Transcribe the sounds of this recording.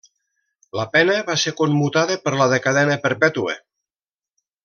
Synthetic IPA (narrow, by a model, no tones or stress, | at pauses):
ləpɛnəβasekommut̪aðəpəɾləðekaðɛnəpəɾpɛt̪uḛ